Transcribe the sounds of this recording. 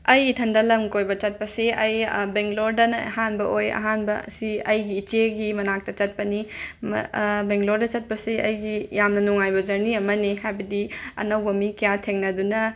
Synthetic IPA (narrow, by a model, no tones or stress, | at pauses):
ɐjitʰɐndɐlɐmkojbɐt͡ʃɐt̚pɐseʔɐjbeŋloɾdɐnɐhanbɐojɐ̰ɦanbɐ̰siɐjɡiːt͡ʃeɡimɐnak̚tɐt͡ʃɐt̚pɐnim̰beŋloɾdɐt͡ʃɐt̚pɐsiʔɐjɡijamnɐnuŋajbɐd͡ʒɐɾniɐmɐniɦajbɐdiɐ̰nɐwbɐmikijatʰeŋnɐdunɐ